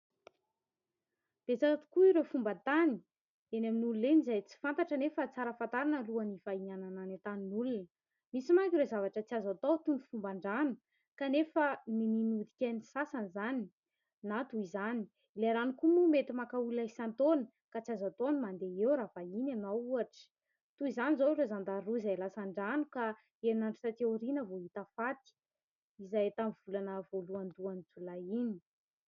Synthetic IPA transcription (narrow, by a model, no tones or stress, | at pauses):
d̪̥esaat̪u̥kuiɾefumbət̪ani | enaminululenizajt͡si̥fant̪aʈ͡ʂənefət͡saɾəfant̪aɾanəluənifaianananat̪aninulunə | misimakʲiɾewzavaʈ͡ʂət͡siazat̪owt̪umu̥fumbaɳɖ͡ʐanə̥ | kanefəmininud̪ikʲenisasanizani | nat̪uizani̥ | ileɾanukumumet̪imakaulaisant̪oni̥ | kat͡siazat̪onimand̪eewɾafainanauaʈ͡ʂə̥ | t̪uizanizoɾezand̪aɾuizajalasaɳɖ͡ʐanuka | einaɳɖ͡ʐu̥sat̪iuɾinəvoɦit̪afat̪i̥ | izajt̪amiv̥ulanəvoluand̪uanit͡sulaini̥